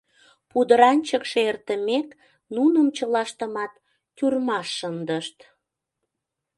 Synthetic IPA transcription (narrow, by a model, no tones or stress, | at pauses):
pud̪əɾɑnʲt͡ɕəkʃeert̪əmek | nunəmt͡ɕəlɑʃt̪əmɑt̪ː | yrmɑʃːənd̪əʃt̪